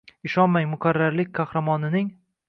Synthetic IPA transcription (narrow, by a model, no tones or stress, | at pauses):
ɪʃɒnmajmʊkʰʲaɾːaɾlɪk̚ʲkʰɑhɾamɒnɪnɪŋ